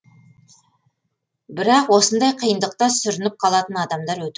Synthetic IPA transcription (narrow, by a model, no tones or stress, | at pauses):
bɪɾɑqwo̞sənd̪ɑjqʰijənd̪əq̚t̪ɑsʏɾɪnɪp̚qʰɑlˠɑt̪ənɑd̪ɑmd̪ɑɾwɵt̪